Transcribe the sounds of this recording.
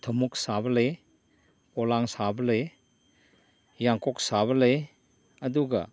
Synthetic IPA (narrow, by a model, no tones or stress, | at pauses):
t̪ʰɔmuk̚sabɐle | ɔlaŋsabɐle | jaŋkɔk̚saβɐle | ɐduɡɐ̰